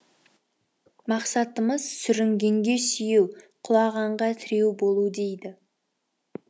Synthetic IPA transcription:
mɑqsɑt̪əməzsʏɾɪŋɡʲe̞ŋɡʲe̞sijuwqʰʊlˠɑʁɑɴʁɑt̪ʰɪɾe̞wbo̞lˠud̪e̞jd̪ɪ

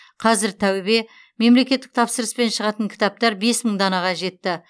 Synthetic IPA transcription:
qʰɑzɪɾt̪ʰæwɪbe̞ | me̞mle̞kʲe̞t̪ːɪ̥k̚t̪ʰɑpsəɾəspe̞nʃəʁɑt̪əŋkʲʰɪ̥t̪ɑp̚t̪ɑɾbe̞sməɴd̪ɑnɑʁɑʒe̞t̪ːɪ

